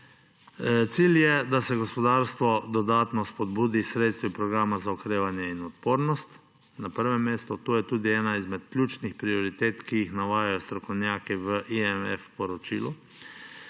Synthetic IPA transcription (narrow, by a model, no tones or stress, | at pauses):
t̪siːljɛd̪asɛɡɔspɔd̪aːɾst̪ʋɔd̪ɔd̪aːt̪nɔspɔd̪buːd̪isɾeːt̪st̪ʋipɾɔɡɾaːmazaɔkɾeːʋanjɛinɔt̪poːɾnɔst̪ | napəɾʋɛmːeːst̪ɔt̪oːjɛt̪uːd̪iɛːnaizmɛt̪̚klʲjuːt͡ʃnixpɾiɔɾit̪eːt̪kijixnaʋaːjajɔst̪ɾɔkɔwnjaːkɛʋəʔiɛmɛfpɔɾɔt͡ʃḭːlu